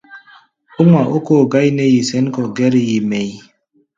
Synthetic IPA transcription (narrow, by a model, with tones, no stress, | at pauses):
o˦ŋʷa˨ʔo˦ko˦˨ɡa˦jne˦ji˨sɛ˦n˦kɔ˨ɡɛ˦ɾi˦˨ji˨me˨j